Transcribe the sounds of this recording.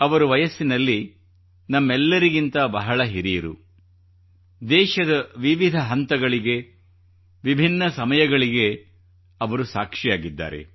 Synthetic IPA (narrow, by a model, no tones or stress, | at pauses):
ɐʋɐɾuʋɐjɐsːinɐlːi | nɐmːɛlːɐɾiɡint̪ɐbɐɦɐɭɐɦiɾijɐɾṵ | d̪ɛːʃɐd̪ɐʋiʋid̪ʱɐɦɐnt̪ɐɡɐɭiɡe̞ | ʋibʱinːɐsɐmɐjɐɡɐɭiɡe̞ | ɐʋɐɾusaːkʂijaːɡid̪ːa̰ːɾe̞̰